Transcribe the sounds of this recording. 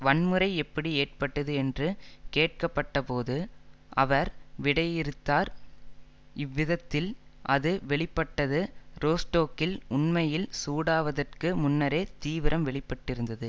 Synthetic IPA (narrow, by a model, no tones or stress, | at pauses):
ʋɐɳmɯɾɐɪɛpːɐɽieːrpɐʈːɐðɯɛndrɯkeːʈ̚kɐpːɐʈːɐpoːðɯ | ʔɐʋɐɾʋɪɽɐjɪɾɯt̪ːaːɾ | ɪʋːɪðɐt̪ːɪlʔɐðɯʋɛɭɪpːɐʈːɐðɯɾoːsʈoːkɪlʊnmɐjɪlsuːɽaːʋɐðɐrkɯmʊnːɐɾeːt̪iːʋɪɾɐmʋɛɭɪpːɐʈːɪɾɯnd̪ɐðɯ